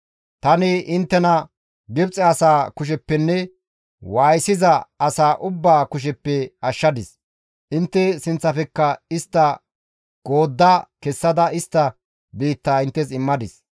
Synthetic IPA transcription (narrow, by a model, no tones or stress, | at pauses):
t̪ɐnɪʔɪnt̪ːɛnɐ | ɡɪbt͡sʼɛɐsaːkʊʃ̬ɛpːɛnːɛ | waːjsɪzɐɐsaːʔʊbːaːkʊʃ̬ɛpːɛɐʃːɐd̪ɪs | ʔɪnt̪ːɛsɪnt͡sːɐfɛkːɐɪst̪ːɐ | ɡ̥o̞ːd̪ːakɛsːɐd̪ɐɪst̪ːɐ | biːt̪ːaːɪnt̪ːɛs̬ɪmːɐd̪ɪs